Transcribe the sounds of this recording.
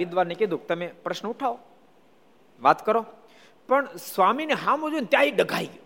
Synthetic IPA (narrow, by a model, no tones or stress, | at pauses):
id̪ʋaɾnekid̪uk̚t̪əmepɾəʃnəuʈʰao | ʋat̪kəɾo | pəɳsʋamineɦãmũd͡ʒunt̪jaiɖəɡʱai